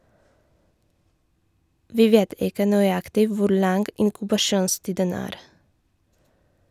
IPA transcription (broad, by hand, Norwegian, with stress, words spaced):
ˈʋiː ˈʋeːt ˈɪkə nœʏˈɑktɪ ˈʋʊɾ ˈlɑŋɡ ɪŋkʉbɑˈʃuːnˌstiːdən ˈæːɾ